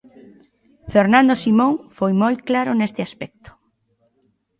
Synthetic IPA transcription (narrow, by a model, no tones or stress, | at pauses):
feɾnãnd̪osimõŋfojmojklaɾʊnest̪ɪaspɛk̚t̪ʊ̥